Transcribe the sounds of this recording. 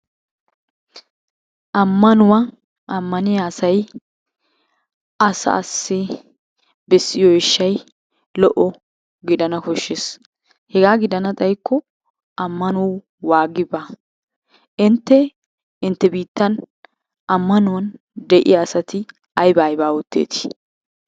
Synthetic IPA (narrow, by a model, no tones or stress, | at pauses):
ʔɐmːɐnʊwɐ | ʔɐmːɐnɪjaːsɐj | ɐsɐ̰ɐsːɪ | bɛsːɪjɔɪʃːɐj | lɔʔɔ | ɡɪd̪ɐnɐkɔʃːes | hɛɡaːɡɪd̪ɐnɐt̪ʼɐjkːɔ | ʔɐmːɐnʊw | waːɡɪba | ʔɪnt̪ːɛ | ɪnt̪ːɛbiːt̪ːɐn | ɐmːɐnʊwɐn | d̪ɛʔɪ̰jɐːsɐt̪ɪ | ɐjbaːjbaːwʊt̪ːḛːt̪ɪ̥